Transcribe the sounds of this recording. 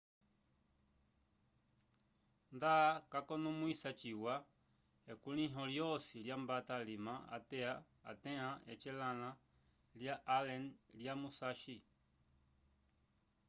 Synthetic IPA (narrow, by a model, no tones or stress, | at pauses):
ndakakɔnumwisat͡ʃiwa | ɛkuliɦɔljɔsiljambatalimaa̰tɛa̰ː | tɛ̃aɛt͡ʃɛlala | ljaʔalɛnljamusaʃi